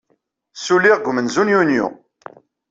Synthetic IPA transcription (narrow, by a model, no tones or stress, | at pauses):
sulːiʁɡʷmənzunjunjṵ